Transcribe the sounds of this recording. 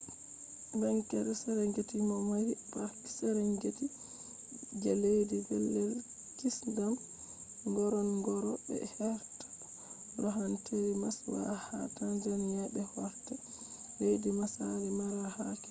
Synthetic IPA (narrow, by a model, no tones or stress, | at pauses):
bɛŋkɛɾɛsɛɾɛŋɡetimɔmahibaki̥sɛɾɛŋɡeti | d͡ʒɛlejdiɡɛlːɛl | kisdam | ɡɔɾɔnɡɔɾɔbɛ̰hɛɾtḁ | ɾɔɦanteɾimaswa̰hatand͡ʒanijabɛhɔɾtɛ | lejdimasaɾimaɾahakɛ̥